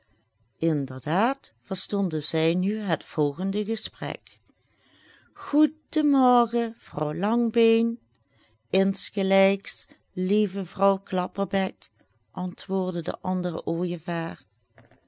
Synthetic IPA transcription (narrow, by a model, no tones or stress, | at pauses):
ɪndəɹdaːtfəɹstɔndəzɛjnyɦətfɔlˠɣəndəɣəsprɛ̰k | ɣudəmɔɹɣəv̥rɔwlɑŋbejn | ɪnsxəlɛjks | livəvrɔwklɑpərbɛk | ʔɑntʋʊːɹdədə̰ʔɑndərə̰ʔoːjəvaːɹ